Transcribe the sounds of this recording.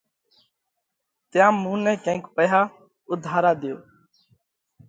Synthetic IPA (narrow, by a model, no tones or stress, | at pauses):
t̪jãːmũːnɛ̃ːkə̃ːkpəɦaː | ʊd̪ʱaːɾaːd̪ɪjo̰ː